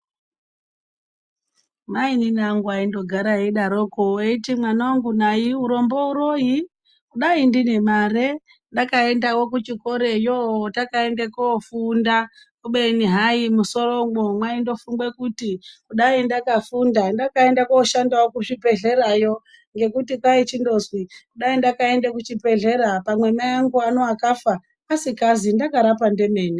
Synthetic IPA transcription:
maininaŋɡwaindo̞ɡʱaɾaɦeɗaɾo̞koeitimwanaoŋɡunaiuɾo̞mbo̞uɾo̞ji | kuɗaindine̞mare̞ | ndakae̞ndawo̞kut͡ʃiko̞ɾe̞jootakae̞ndekoːfunda | kuɓeniɦaimuso̞roŋomwaindo̞fuŋɡwe̞kutikuɗaindakafundandakae̞ndakoːʃandawokuʐipe̞ɮe̞ɾajo̞ | ŋɡe̞kutikwait͡ʃindo̞zwikuɗaindakae̞ndekut͡ʃipe̞ɮe̞ɾapamwe̞maaŋɡuano̞akafaː | sikazindakaɾapande̞me̞ːni

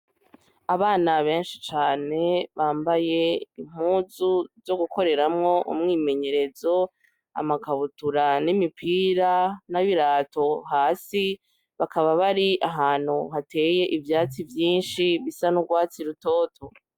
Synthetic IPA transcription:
aβaːnaβe̞ːnʃi̥t͡ʃaːne̞βaːmbaje̞im̥uːzuzo̞ɡuko̞ɾe̞ɾamŋo̞ʔṵmŋiːme̞ɲe̞ɾe̞zo̞ | a̰makaβutuɾanimipʰiːɾanaβiɾaːto̞ɦaːsi | βakaβaβaɾiʔaɦaːn̥huɦatʰe̞ːje̞ʔivjaːt͡sivjiːnʃiβisanuɡwaːt͡siɾuto̞ːtʰo

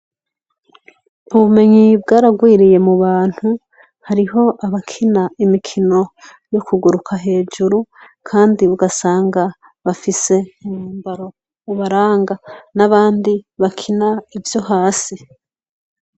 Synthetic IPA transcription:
uβume̞ɲibɡaːɾaɡwiːɾije̞muβaːn̥hu | haɾiɦo̞ʔaβakʰinaimikʰino̞ | jokʰuɡuɾukʰaɦe̞ːd͡ʒuɾu | kʰaːndiβuɡasaːŋɡa | βafise̞muːmbaɾo̞ | uβaɾaːŋɡanaβaːndiβakʰinaivjo̞ɦaːsi

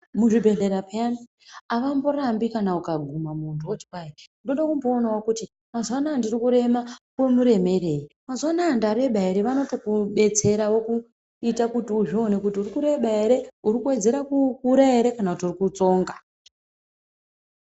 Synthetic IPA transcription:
muʐibʱe̞ɮe̞ɾapeani | aʋambo̞rambikanaukaɡʱumamuntʰuoti̥paendo̞ɗakumbo̞ːnawakuti | mazwanaːndirikuɾe̞makwe̞muɾe̞me̞re̞ːimazwanaːndaɾe̞ɓaeɾe̞ʋano̞to̞kuɓe̞t͡se̞ɾawo̞ku | itakutiuʐio̞ne̞kutiurikuɾe̞ɓaeɾe̞uɾikuwe̞d͡ze̞ɾakukuɾae̞ɾe̞kanakutiurikut͡so̞ːŋɡa

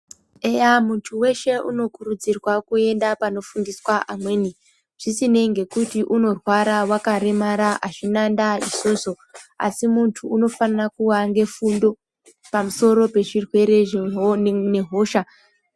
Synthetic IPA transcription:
ejamuntʰuwe̞ʃe̞ʔṵno̞kuɾud͡zirwakue̞ndapano̞fundiswaʔamwe̞ːni | ʐ̥isine̞ŋɡe̞kutiʔuno̞rwaɾawakaɾe̞maɾaʔaʐinandaiso̞ːso̞ | a̰simuntʰuːno̞fanirakuʋaŋɡe̞fundo̞ | pamuso̞ɾo̞pe̞ʐirwe̞ɾe̞ʐene̞ɦo̞ːʃa

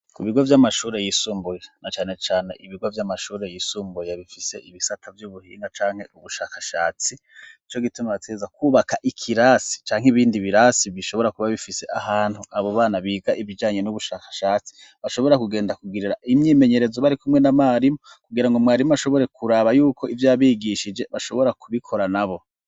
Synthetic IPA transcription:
kuβiɡo̞vjamaʃuːɾe̞jisuːmbujanat͡ʃaːne̞t͡ʃaːne̞̰ʔiβiɡo̞vjamaʃuːɾe̞jisuːmbujaβifise̞ʔiβisatʰavjuβuhḭːŋɡat͡ʃaːŋ̥he̞ʔuβuʃaːkḁʃa̰ːt͡si | it͡ʃo̞ɡitumaβatezakuːβakaʔikʰiɾaːsi̥t͡ʃaːŋ̥iβiːndiβiɾaːsiβiʃo̞βo̞ɾakuβaβifise̞ʔahaːn̥huaβoβaːnaβiːɡaʔiβid͡ʒaːɲe̞nuβuʃaːkḁʃaːt͡si̥ | βaʃo̞βo̞ɾakuɡe̞ːndakuɡiɾiɾaʔimɲiːme̞ɲe̞ɾe̞zoβaɾikumŋe̞namaːɾimo | kuɡiɾaŋɡomŋwaːɾimuaʃo̞βo̞ɾe̞kʰuɾaːβajuːkʰo̞ʔivjaːβiːɡiʃid͡ʒe̞βaʃo̞βo̞ɾakuβikʰo̞ɾanaβo̞

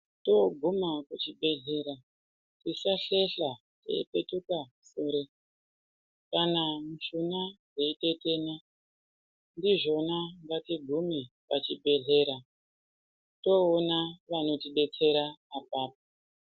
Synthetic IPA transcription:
to̞ɡʱumakut͡ʃiɓe̞ɮe̞ːɾa | tisaɬe̞ɬa | tḛipetuka | soːɾe | kanamuʃunad͡zeiteteːna | ndiʐo̞naŋɡatiɡʱumipat͡ʃibʱe̞ɮe̞ːɾa | to̞ːnaʋano̞tiɗe̞t͡se̞ɾaːpaːp̚o

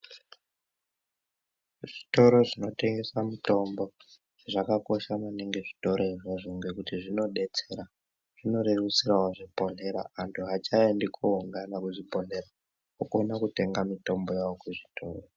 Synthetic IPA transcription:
ʐ̥ito̞ɾo̞ʐino̞te̞ŋɡe̞samuto̞mbo̞ | ʐ̥eʐakako̞ʃamaneŋɡe̞ʐito̞ɾo̞iʐoʐiŋɡekutiʐino̞ɗe̞t͡se̞ɾa | ʐ̥ino̞ɾerusirawaʐipo̞ne̞ɾa̰ːntʰuɦat͡ʃaendikʰouŋɡanakuʐipo̞n̤e̞ɾa | okonakute̞ŋɡamito̞mbo̞jawokuʐitʰo̞ːro

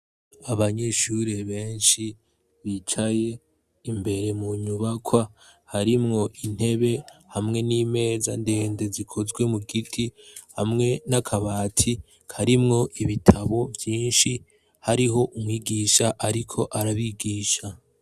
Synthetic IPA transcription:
aβaɲe̞ʃuɾeβe̞ːnʃi | βit͡ʃaje̞ | imbe̞ɾe̞muɲuβakʰwahaɾimŋo̞ʔin̥he̞βe̞hamŋe̞niːme̞ːza̰nde̞ːnde̞zikʰo̞zwe̞muɡitʰihamŋe̞nakʰaβaːtʰi | kʰaɾimŋo̞ʔiβitʰaβo̞vjiːnʃi | haɾiɦo̞ʔumwiːɡiːʃaʔaɾikʰo̞ʔaɾaβiɡiːʃa

